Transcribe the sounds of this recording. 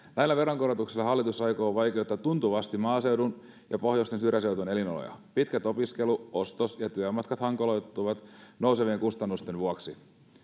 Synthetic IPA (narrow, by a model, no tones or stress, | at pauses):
næjlːæʋe̞ɾoŋkoɾot̪uksilːɑɦɑlːit̪usɑjkoːʋɑjk̟eot̪ːɑt̪unt̪uʋɑst̪imɑːse̞wdun | jɑpo̞hjost̪ensyrjæse̞wt̪unelinolo̰jɑ̰pit̪kæt̪o̞piske̞luo̞st̪osjɑt̪yæmɑt̪kɑt̪hɑŋkolojt̪ːuʋɑt̪nouseʋieŋkust̪ɑnːust̪e̞nʋuɑksi